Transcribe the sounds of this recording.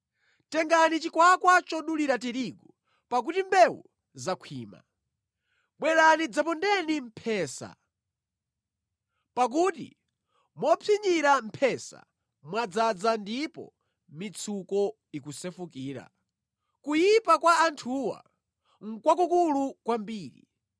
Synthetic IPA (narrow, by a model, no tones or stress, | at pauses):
tɛŋɡanit͡ʃikwakwat͡ʃɔɗuliɾatiɾiɡɔ | pak̬utimbɛwṵ | zakʰwiːma̰ | ɓwɛɾanid͡zapɔndɛnim̩pʰɛːsa̰ | pak̬uːtḭ | mɔpʰiɲiɾam̩pʰɛsa̰ | mwad͡zad͡zandipɔ̰ | mit͡sʰukɔ | ikusɛfukiːɾa̰ | kujipakwaːntʰuːwa̰ | ŋ̩kwak̬ukulukwambiːɾḭ